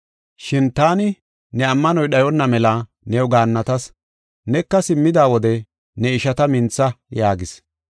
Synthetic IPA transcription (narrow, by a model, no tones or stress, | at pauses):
ʃɪnt̪aːnɪ | nɛɐmːɐnɔjɗɐjɔnːɐmɛlɐ | nɛwɡaːnːɐt̪ɐs | nɛkːɐsɪmːɪd̪aːwɔd̪ɛ | nɛɪʃɐt̪ɐmɪnt͡sːɐjaːɡɪs